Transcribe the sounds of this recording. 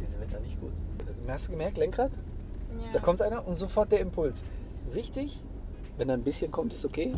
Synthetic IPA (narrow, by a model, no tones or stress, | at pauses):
d̥iːzɪvɛtɐnɪçt̚ɡ̥ṵːtamhastd̥uɡəmɛɐk̚tlɛŋkʁaːt | d̥aːkʰɔmtʔaɪnɐʔʊntz̥ofɔɐt̚d̥eːɐɪmpʰʊlsvɪçtɪç | vɛndanbɪsçənkʰɔmtɪ̥stokʰeː